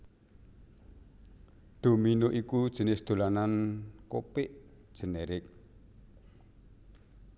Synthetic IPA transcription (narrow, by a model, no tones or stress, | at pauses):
ɖ̪̥o̤minoʔikud̥ʒ̥ə̤nɪhsd̪̥o̤lanankopɪʔd̥ʒ̥ə̤neɾɪk̚